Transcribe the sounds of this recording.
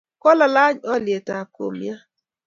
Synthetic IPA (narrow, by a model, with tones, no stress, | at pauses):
kɔ˦la˨la˦ɲɔ˦lje˨ta˨ko̰˨mja˦